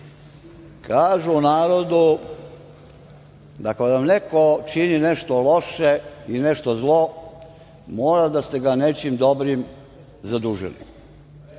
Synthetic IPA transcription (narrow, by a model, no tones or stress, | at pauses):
kʰaːʒuːnaːɾo̞d̪u | d̪akad̪amnekot͡ʃinine̞ʃt̪olo̞ʃeineʃt̪o̞zlˠo̞ | moːɾad̪ast̪eɡanet͡ʃimd̪obɾim | zad̪uʒḭlḭ